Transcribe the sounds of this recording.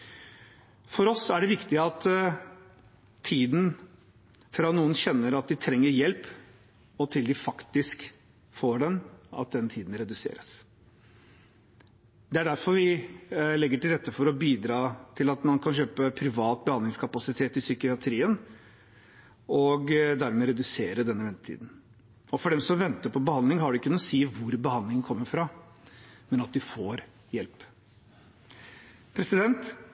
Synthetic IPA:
fɔɾɔsːɔæɖɛʋɪkt̪ɪɑt̪ | t̪ʰːiːd̪n̩ | fɾɑːnuːənɕɛnːəɾɑt̪̚d̪ɪt̪ʰɾɛŋːəɾjɛlp | ɔt̪ʰɪld̪ɪfɑkt̪ɪsk | foːɖɛnɑ̰t̪̚d̪ɛnt̪ʰiːd̪n̩ɾɛd̪ʉsḛːɾəs | d̪ɛæɖæɾfɔɾʋɪlɛɡːəʈɪlɾɛt̪ːəfɔɾɔbiːd̪ɾɑːt̪ʰɪlɑt̪mɑnkʰɑnɕøːpəpʰɾɪʋɑːt̪̚bəhɑnd̪lɪŋskʰɑpɑsɪt̪ʰeːt̪ɪsʏkɪɑt̪ʰɾiːən | ɔɡd̪æɾmɛɾɛd̪ʉseːɾəd̪ɛnːəʋɛnət̪ʰḭːd̪n̩ | ɔfɔɖɛmsɔmʋɛnt̪əpʰɔbəhɑnd̪lɪŋɦɑɖʉɪkʰːʉnːəsiːʋʊɾbəhɑnd̪lɪŋənkʰɔmːəɾfɾɑ | mɛnɑt̪̚d̪ɪfoːɾ | jɛlp | pʰɾɛsɪd̪ɛnt̪

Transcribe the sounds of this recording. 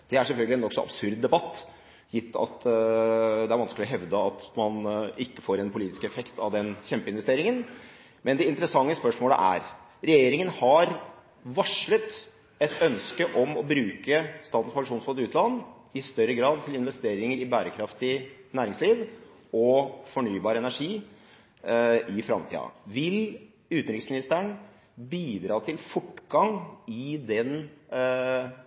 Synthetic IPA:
d̪̥ɛæʂɛlfœlɡəlɪɛnɔksɔʔɑ̰bsʉɾd̪ːɛbɑt̪ː | jɪt̪ʰːɑ̰t̪ | d̪ɛæɾʋɑnsklɪɔɦɛʋd̪əɑt̪mɑnɪkːə̥foːɾɛnpʰʊliːt̪ɪskɛfɛkt̪ʰɑʋd̪ɛnçɛmpəɪnʋɛst̪eːɾɪŋən | mɛnd̪ɛɪnt̪əɾəsɑŋːəspœʂmoːlə̰ʔæ̰ɾɾɛjeːɾɪŋənhɑɾ | ʋɑʂɭət̪ | ɛt̪ʰœnskəʔɔmɔbɾʉːkəst̪ɑːt̪n̩spɑŋʂuːnsfɔd̪ʉːt̪lɑnː | ɪst̪œɾːəɡɾɑːd̪̚t̪ʰɪlɪnʋɛst̪eːɾɪŋəɾɪbæːɾəkʰɾɑft̪ɪnæːɾɪŋsliːʋ | ɔfɔɳyːbɑːɾəɛnæʂiː | ʔɪfɾɑ̰mt̪ʰḭːɑ̰ʋɪl | ʉːt̪nɾɪksmɪnɪst̪əɳ | biːd̪ɾɑːt̪ʰɪlfɔʈːɡɑŋɪd̪ɛn

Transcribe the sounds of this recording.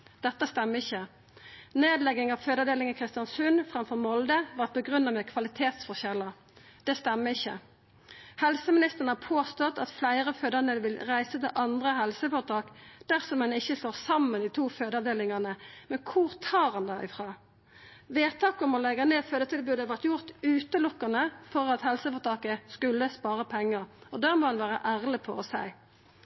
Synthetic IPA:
d̪ɛt̪ːəst̪ɛmːəɪçːə | neːd̪lɛɡɪŋɑʋføːd̪əd̪eːlɪŋəkʰʁɪst̪jɑnsʉnfʁɑmfɔʁmɔld̪əʋɑʁt̪̚bəɡʁʉnːɑmɛkʰʋɑlɪt̪ʰeːt̪sfɔʁçɛlːə | d̪̥ɛst̪ɛmːəɪçːə | hɛlsəmɪnɪst̪əʁnəhɑpʰoːst̪ɔt̪ɑt̪flæɪʁəføːd̪əʁnəʋɪlʁæɪsət̪ɪlʔɑnd̪ʁəhɛlsəfɔːʁt̪ʰɑːkd̪̥æʁsɔmɛnɪçːəst̪oːʁsɑmːəniːt̪ʰuːføːd̪ɑʋd̪eːlɪŋɑʁnəmɛnkʰʊʁt̪ʰɑːʁɑnd̪ɛɪ̰fʁɑː | ʋeːt̪ʰɑːkɔmɔlɛɡɑneːføːd̪ət̪ʰɪlbʉːd̪ɑʋæʁt̪jʊʁt̪ʉːt̪əlʊkːənəfɔʁɑt̪hɛlsəfɔʁt̪ʰɑːkəskʉlːəspɑːʁəpʰɛŋːəʁɔd̪æmoːhɑnʋæːʁə̰ʔæːʁlɪpʰɔ̰ɔsæɪ

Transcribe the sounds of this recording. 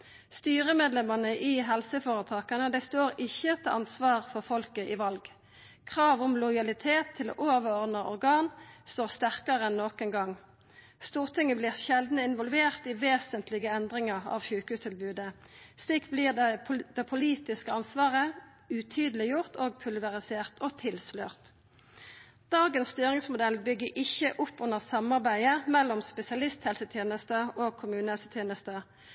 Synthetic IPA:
st̪yːʁəmeːd̪lɛmɑnəʔiːɦɛlsəfoːʁət̪ʰɑːkɑnəd̪ɛst̪oːʁɪçət̪ʰɛʔɑnsʋɑːʁfɔʁfɔlkəʔɪːʋɑlɡ | kʰʁɑːʋʊmlɔjɑlɪt̪ʰeːt̪ʰːɪlo̰ːʔoːʋəʁɔʁd̪nəɔ̰ʁɡɑːnst̪oːʁst̪æʁkɑʁəɛnːoːkɛnɡɑŋ | st̪uːʁt̪ʰɪŋːəblɪːʁʃɛld̪n̩əɪnʋɔlʋeːʁt̪iːʋeːsənt̪lɪɡəɛnd̪ʁɪŋɑʁɑ̰ʋçʉːkʉːst̪ʰɪlbʉːd̪ə | sliːkbliːd̪ɛpʰʊliːt̪ɪskəɑnsʋɑːʁə | ʉt̪ʰyːd̪əlɪjʊʁt̪ʰoːɡ̚pʰʉlʋəʁɪseːʁt̪ʰoːt̪ʰɪlsløːʁt̪ | d̪̥ɑːɡənsst̪yːʁɪŋsmʊd̪ɛlbʏɡːəʔɪçəʔʊpːʊnːəʁsɑmɑʁbæɪəmɛlːɔmspɛsɪɑlɪst̪hɛlsət̪ʰjeːnəst̪əoːɡ̚kʰʊmʉːnəhɛlsət̪ʰjeːnəst̪ə

